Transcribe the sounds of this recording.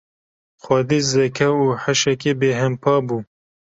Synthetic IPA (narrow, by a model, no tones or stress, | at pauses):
xʷɐd̪iːzɛkʰɛuːħɐʃɛkeːbeːɦɛmpʰɑːbuː